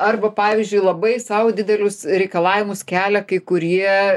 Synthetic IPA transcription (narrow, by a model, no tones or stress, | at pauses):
ɐrbɐpɑːʋʲɪzʲd͡ʒʲʊɪlˠɐbɐɪsɐʊd̪ʲɪd̪ʲɛlʲʊsɾʲɛɪkɐlˠɑːʋʲɪmʊskʲæːlʲɛkɐɪkʊɾʲiɛ